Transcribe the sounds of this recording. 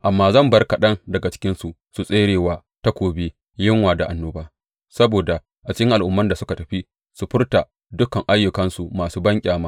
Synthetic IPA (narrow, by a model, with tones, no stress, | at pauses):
ʔa˨mːaː˦zɐ˦˨mbɐ˦rka˨ɗɐ˦ŋdɐ˨ɡa˨t͡ʃɪ̥˦kʲɪ˦nsu˨ | su˨sʼeː˦ɽeː˨waː˨ | ta˦kʷoː˨beː˦ | jɪ˦ŋwaː˨da˨ʔa˨nːoː˦baː˦ | sɐ˦boː˨da˨ | ʔa˨t͡ʃɪ˦kʲɪ˦ŋʔa˨lʔʊ˦mːɐ˦nda˨sʊ˦ka˨tɐ˨ɸi˦ | su˨ɸɪ˦rta˨ | dʊ˦kɐ˨ŋʔa˦jːʊ˨kɐ˦nsu˨maː˨suː˦bɐ˦ŋkʲʼaː˨maː˦